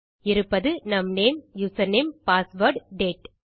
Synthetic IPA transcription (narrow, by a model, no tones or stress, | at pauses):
ɪɾɯpːɐðɯnɐmneːmjusɐneːmpaːsʋɐɾɖɖeːʈ